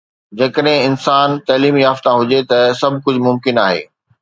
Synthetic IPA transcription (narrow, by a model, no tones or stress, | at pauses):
d͡ʑɐːkəɗɦɪ̃ɪnsaːnt̪ɐːliːmiɦaːft̪ãɦʊd͡ʑet̪ɐsɐbʱkʊd͡ʑʱʊmʊmkɪnaːɦḛː